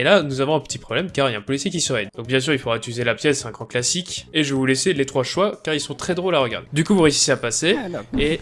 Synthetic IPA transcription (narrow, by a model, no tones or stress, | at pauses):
elanuzavɔ̃ɛ̃pə̥t̪ipχɔblɛmkaʁiljaɛ̃pɔlisjek̬ʲisəʁɛd̪d̪̥ɔ̃k̚bjɛ̃s̬yʁilfod̪ʁat̪yzelapjɛsɛ̃ɡʁɑ̃klasikeʒəvuleselet̪χwaʃwakaʁilsɔ̃t̪χɛd̪ʁolaʁəɡa̰ʁd̪ed̪ykuvuʁeysi̥seapasee